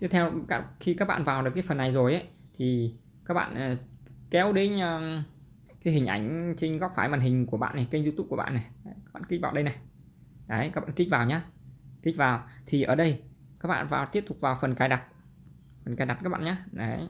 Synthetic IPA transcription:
t̪ɨ˦˥t̪ʰɛ˧wka˦˥xi˧kaː˦˥k̚ɓa̰ː˧˨vaː˨˩wɗəkːjfə˨˩nːa˨˩jzo˨˩jʔə˨˦ | t̪ʰi˨˩ | kaː˦˥k̚ɓa̰ː˧˨nʔkɛ˨˦wɗe˨˦nː˧ | kaː˨˦ɦï˨˩ŋ̟ʔa̰˧˩jŋ̟t͡ɕi˧ŋ̟ɣɔ˦˥k̚faː˧˩jmaː˨˩nɦï˨˩ŋ̟ku˧˩əɓa̰ː˧˨na˨˩jki˧ŋ̟zɨ˧t̪u˦˥ku˧˩əɓa̰ː˧˨nːa˨˩jka˦˥ɓa̰ː˧˨˧i˦˥k̚vaː˨˩wɗə˧jna˨˩j | nə˨˦jka˦˥ɓa̰ː˧˨˧kï̟˦˥vaː˨˩wɲaː˧˦ki˦˥k̟̚vaː˨˩wt̪ʰi˨˩ʔəː˧˩ɗə˧jkaː˦˥k̚ɓa̰ː˧˨vaː˨˩wt̪i˦˥əp̚t̪ʊ˨˩k͡p̚vaː˨˩wfə˨˩nkaː˧˩jɗa˨˩t̚ | fə˨˩nkaː˧˩jɗa˨˩t̚kaː˦˥k̚ɓ̰a̰ː˧˨ɲaː˨˦nə˨˦

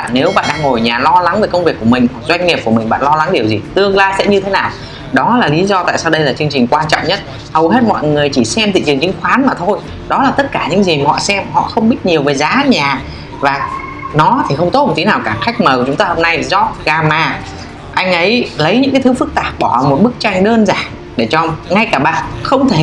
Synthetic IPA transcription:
ne˨˦wɓa̰ː˧˨nɗaː˧ŋːo˨˩jɲaː˨˩lɔ˧la˨˦ŋve˨˩jkə˧wŋ͡mvi˨˩əkːu˧˩əmï˨˩ŋ̟hwa˨˩k̚zwa˧jŋ̟ŋi˨˩p̚ku˧˩əmï̟˨˩ɓa̰ː˧˨nlɔ˧la˨˦ŋɗi˨˩əwzi˨˩t̪ɨ˧əŋlaː˧jsɛ̰˧˥ɲɨ˧t̪ʰe˨˦naː˨˩w | ɗɔ˨˦laː˨˩li˨˦zɔ˧t̪a̰ː˧˨jsaː˧wɗə˧jlaː˨˩t͡ɕɨ˧əŋt͡ɕï˨˩ŋ̟kwaː˧nt͡ɕɔ̰˧˨ŋ͡mɲə˦˥t̚ | hə˨˩whe˦˥t̚mɔ̰˧˨jŋɨ˨˩əjt͡ɕi˧˩sɛ˧mt̪ḭ˧˨t͡ɕɨ˨˩əŋt͡ɕï˨˦ŋ̟xwaː˨˦nmaː˨˩t̪ʰo˧j | ɗɔ˨˦laː˨˩t̪ə˦˥t̚kaː˧˩ɲɨ̰˧˥ŋzi˨˩˨ɔ̰˧˨sɛ˧mhɔ̰˧˨xə˧wŋ͡mɓi˦˥t̚ɲi˨˩əwveː˨˩jzaː˨˦ɲaː˨˩ | vaː˨˩ | nɔ˨˦t̪ʰi˨˩xə˧wŋ͡mt̪o˦˥t̚mo˨˩t̪i˨˦naː˨˩wkaː˧˩xa˦˥jk̟̚məː˨˩wt͡ɕʊ˨˦ŋ͡mt̪aː˧ho˧mna˧jzɔ˦˥t̚ɣaː˧maː˧ | ʔa˧jŋ̟ʔə˨˦jlə˨˦jɲɨ̰˧˥ŋkaː˨˦jt̪ɨ˨˦fɨ˦˥k̚t̪aː˨˩p̚ɓɔ˧˩˨mo˨˩t̚ɓɨ˦˥k̚t͡ɕa˧jŋ̟ɗəː˧nzaː˧˩nŋ | ɗe˧˩t͡ɕɔ˧ŋa˧jkaː˧˩ɓa̰ː˧˨nxə˧wŋ͡mt̪ʰe˧˩

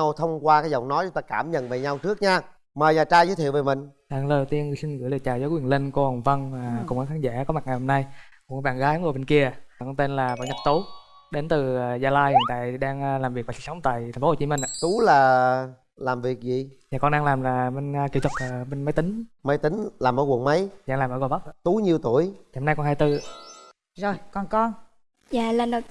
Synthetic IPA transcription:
wt̪ʰə˧wŋ͡mkwaː˧kaː˨˦jzə˨˩wŋ͡mnɔ˨˦jt͡ɕŋ͡mt̪aː˧kaː˧˩mɲə̰˧˨nvəː˨˩ɲa˧wt͡ɕɨ˦˥ək̚ɲaː˧ | məː˨˩jɲaː˨˩t͡ɕaː˧jzoː˧˨˦t̪ʰi˧˨wveː˨˩mï˨˩ŋ̟ɗaː˧˩ŋlə˨˩˨wt̪i˧ənŋɨ˧˩˨si˧nɣɨ̰˧˥jlə˨˩t͡ɕaː˨˩zaː˨˦kwi˨˩ənle˧nko˧˦hə˨˩wŋ͡mvə˧nː˨˩kʊ˨˩ŋ͡mʔə˨˦xʰaː˨˦nza̰ː˧˥kɔ˨˦ma˨˩t̚ŋa˨˩jho˧mna˧jkɓa̰ː˧˨nɣaː˨˦jno˨˩ɓe˧nki˧ə˨˩kɔ˧nt̪e˧nlaː˨˩va̰˧˨˩ɲə˨˩t̚t̪u˨˦ | ɗe˨˦nt̪ɨ˨˩˨zaː˧laː˧jhnt̪a̰ː˧˨jɗaː˧ŋː˧laː˨˩mvi˨˩ək̚vaː˨˩t͡ɕi̥˨˩sə˨˦ŋ͡mt̪a̰ː˧˨j̪ʰŋfo˦o˨˩t͡ɕi˨˦mï˧ŋ̟ʔa˧˨t̪u˨˦laː˨˩ | laː˨˩mvi˨˩ək̚zi˨zaː˨˩kɔ˧nɗaː˧ŋlaː˨˩mlaː˨˩ɓe˧n˧ki˧˩˦t̪ʰwə˨˩ə˨˩ɓe˧nmə˨˦jt̪ï˨˦ŋ̟mə˨˦jt̪ï˨˦ŋ̟laː˨˩mʔəː˧˦ɣu˨˩ənmə˨˦jzaː˧˩ŋlaː˨˩mʔəː˧˦ɣo˨˩ɓə˦˥˧t̪u˨˦ɲi˨əwt̪u˧˩˨əja˨hmna˧jkɔ˧nhaː˧jt̪ɨ˧ | zo˧jkɔ˧nkɔ˧n | jaː˧˨la˨˩nɗo˨˩

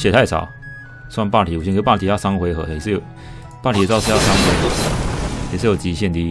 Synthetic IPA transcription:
ɕjɛ˨˩t̪ʰa˥˩ɪsɑ̰˨˩ʊ | swa˥˧npa˥˩t̪i˨˩u˨˩ɕi˧kʰpa˥˩t̪ʰi˨˩ja˥˩sa˥ŋxwe˧˥ɪxɤ̰˧˦˨s̩˥˧j | pa˥˩t̪ʰi˨˩˨t͡sɑ˥˧ʊs̩˥˧ja˥˩sa˥ŋxwe˧˥ɪ˩jɛ˨˩ʂ̬̩˥˧jo˨˩t͡ɕi˧˥ɕjɛ˥˧˨nt̪i˦

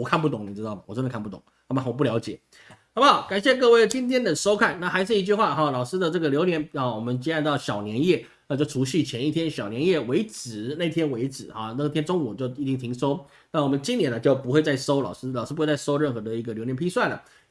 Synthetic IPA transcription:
wɔ˩kʰa˥˧np̬u˥˩t̪ʊ˨˧˦ŋni˨˩ɻ̩˧˥t̪ɑ˥˩ʊmɐ˨˩wɔ˨˩ə˥ndə˧kʰa˥˧pu˥˩t̪ʊ˨˩˦na˧˥ma˨˩wɔ˨p̬u˥˩ljɑ˧˥ʊt͡ɕjɛ˨˩˦ | nɑ˧˥mə˩xɑ˨˩ʊka˨˩nɕjɛ˥˧k̬ɤ˥˧we˥˩ə˩t͡ɕi˥ŋt̪ʰjɛ˥nd̪ə˨ʂo˥ʊkʰa˥˩nna˥˩xa˧˥ɪʂ̬ɻ̩˥˩i˧˥t͡ɕy˥˧xwa˥˩xɑ˥˩lɑ˨˩ʊʂɻ̩˥d̪ə˨ʈ͡ʂɤ˥˩ɡə˩ljo˧˥ʊnjɛ˧˥nɑ˨˩wɔ˨˩mə˦nt͡ɕɛ˥a˥˧nt̪ɑ˥˩ʊɕjɑ˨˩ʊnjɛ˧˥njɛ˥˩ | na˥˧t͡ɕjo˥˩ʊʈ͡ʂʰu˧˥ɕi˥˩t͡ɕʰjɛ˧˥ni˥˩t̪ʰjɛ˥nɕjɑ˨˩ʊnjɛ˧˥njɛ˥˩we˧˥ɪt͡sɹ̩˨˩˦na˥˩ɪt̪ʰjɛ˥nwe˧˥ɪʈ͡ʂɻ̩˨˩hɔ˥˩na˥˩t̪ʰjɛ˥nʈ͡ʂʊ˥ŋ˨˩˨t͡ɕjo˥˩ʊi˧˥t͡ɕ̪i˥ŋt̪ʰi˧˥ŋʂo˥ʊ | na˥˩wɔ˨˩mə˦nt͡ɕi˥˧njɛ˧˥nə˧t͡ɕjo˥˩ʊpu˧˥xwe˧t͡sa˥˩ɪʂo˥ʊlɑ̰˨˩ʊʂɻ̩˥lʂ̩˥pe˥˧t͡sa˥˧ɪʂo˥ʊɻə˥˩nxɤ˧˥d̪ə˧i˧˥ɡə˨ljo˧˥njɛ˧˥mpʰi˥swa˥˩ɪlə̰˨˩

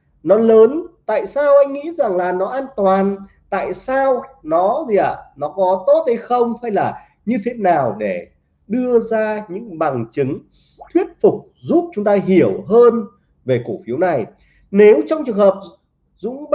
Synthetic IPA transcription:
nɔ˨˦ləː˨˦nt̪a̰ː˧˨jsaː˧wʔa˧jŋ̟ŋḭ˧˥za˨˩ŋlaː˨˩nɔ˨˦ʔaː˧nt̪waː˨˩n | t̪a̰ː˧˨jsaː˧wnɔ˨˦zi˨˩ʔaː˨˩nɔ˨˦kɔ˨˦t̪o˦˥t̚hə˧jxə˧wŋ͡mha˧jlaː˨˩ | ɲɨ˧t̪ʰe˨˦naː˨˩wɗe˧˩ | ɗɨ˧əzaː˧ɲɨ̰˧˥ŋɓa˨˩ŋt͡ɕɨ˨˦ŋ | t̪ʰwi˦˥ət̚fʊ˨˩k͡p̚ | zu˦˥p̚t͡ɕʊ˨˦ŋ͡mt̪aː˧ɦi˧˩əwɦəː˧n | ve˨˩ko˧˩fi˨˦əwna˨˩j | ne˨˦wt͡ɕɔ˧wŋ͡mt͡ɕɨ˨˩əŋhəː˨˩p̚ | zʊ̰˧˥ŋ͡m

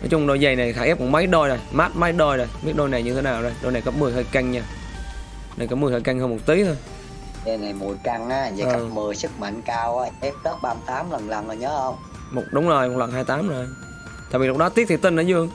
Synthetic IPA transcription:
nɔ̰˨˦t͡ɕʊ˧ŋ͡mɗo˧˩jzə˨˩jna˨˩˨xaː˧˩ʔɛ˦˥p̚kɔ˧˩mə˨˦jɗo˧jzo˨˩jmaː˦˥t̚ma˨˦jɗo˧jzo˨˩jɓi˦˥ət̚ɗo˧jna˨˩jɲɨ˧t̪ʰe˨˦naː˨˩wzo˨˩jɗo˧˩jna˨˩jkə˨˦˥mɨ˨˩əjt̪əː˧jka˧jŋ̟ɲa˧˩ | na˨˩kɔː˨˦mɨ˨˩ət̪əː˧˩jka˧jŋ̟həː˧mo˨˩t̚t̪i˨˦t̪ʰo˧j | zə˨˩jna˨˩jmṵ˨˧˩jka˧ŋʔaː˨˦zə̰ː˨˧a˨˧˩mɨ˨˩əjsɨ˦˥k̚ma̰˧˨ŋkaː˧wʔaː˨˦ʔɛ˦˥p̚t̪əː˦˥t̚ɓaː˧mt̪aː˨˦mlə˨˩nla˨˩nə˨˩ɲəː˨˦hə˧wŋ͡m | mo˨˩t̚ɗʊ˨˦wŋ͡mzo˨˩jm˨˩t̚wa̰ː˧˨nɦaː˧jt̪aː˨˦mzo˨˩j | t̪a̰ː˧˨vi˨˩lʊ˦k͡pk̚ɗɔ˨˦t̪i˦˥ət̚t̪i˨˩t̪i˧nʔəː˨˧˦zɨ˧əŋ

